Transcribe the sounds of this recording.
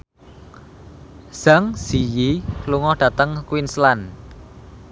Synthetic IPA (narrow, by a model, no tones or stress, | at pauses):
z̥aŋz̥ijiluŋɔhɖ̥a̤t̪əŋkwinslan